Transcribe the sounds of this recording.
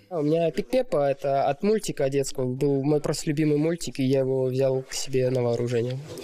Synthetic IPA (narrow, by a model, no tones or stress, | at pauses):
aʊmʲɪnʲapʲɪk̪̚pʲepəɛt̪əɐt̪mulʲtʲɪkəɐdʲe̞t̪skəvəbɨlˠmo̞jpɾost̪əlʲʊbʲimɨjmulʲtʲɪkɪjajɪvovzʲalˠksʲɪbʲe̞nəvəːɾʔʊʐɛnʲɪjʊ